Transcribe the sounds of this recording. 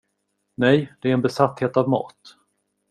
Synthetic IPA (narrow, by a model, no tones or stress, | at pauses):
nɛjd̪ɛæɾɛnbɛsat̪heːt̪avmɑ̰ːt̪